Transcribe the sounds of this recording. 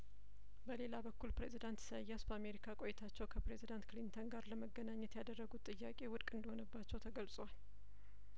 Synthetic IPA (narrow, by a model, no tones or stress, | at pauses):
bəle̞labəkːulpɾe̞zid̪ant̪səjːasbəame̞ɾikʰakʼojɛt̪ʰat͡ʃːɛwkʰəpɾe̞zid̪ant̪klint̪ʰonɡaɾləməɡːənaɲːɛt̪jad̪ərːəɡut̪ʼːɨjːakʼe̞wʊd̪kʼɨnd̪əho̞nəbːat͡ʃːɛwt̪ʰəɡəlsʼwal